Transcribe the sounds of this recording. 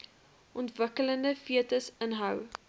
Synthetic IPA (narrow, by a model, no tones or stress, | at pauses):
ʔɔntvəkələndəfiətəsənɦɐw